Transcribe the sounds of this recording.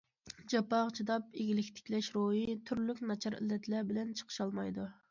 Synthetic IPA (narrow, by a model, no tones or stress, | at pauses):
d͡ʒɑpɑʁt͡ʃʰid̪ɑp̚eɡʲilɪkʲt̪ʰɪ̥kʲlɛʃɾoɦit̪ʰyɾlykʲnɑt͡ʃʰɑɾḭlːɛt̪ʰlɛbɪlɛnt͡ʃʰə̥qʰə̥ʃɑlˠmɑjd̪u